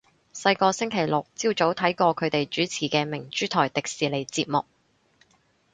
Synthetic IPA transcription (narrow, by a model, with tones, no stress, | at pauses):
sɐ˧jkɔː˧sɪ˥ŋkʰe˨˩jlʊ˨k̚t͡siː˧wt͡so˨˥wt̪ʰɐ˨˥jkɔː˧kʰɵ˨˧ɥt̪e˨jt͡ʃyː˨˥t͡sʰiː˨˩kɛː˧mɪ˨˩ŋt͡ʃyː˥t̪ʰɔː˨˩jt̪ɪ˨k̚siː˨le˨˩jt͡siː˧p̚mʊ˨k̚